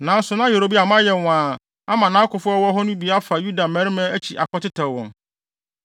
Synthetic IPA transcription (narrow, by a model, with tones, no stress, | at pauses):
nã˨˦n̩˦sʊ˨nã˦je˨ɾo˨bi˦a˨mã˦jɛ˨wã˨ | a˦mã˨nã˦kʊ˨fʊ˦ɔ˦wɔ˦ɦɔ˦nʊ̃˦bi˨a˦fa˨ju˦da˨mæ̃˦ɾɪ˦mɛ̃˦æ˦t͡ɕʰi˨ʔa̰˨kʷɔ˦tɪ˦tʰa˨wɔ̰̃˨n